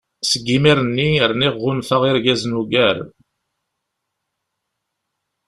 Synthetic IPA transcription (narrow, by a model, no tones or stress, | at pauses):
səɡːimiɾənːiəɾniʁːʊnθaʁɪɾɡæznuɡæɾ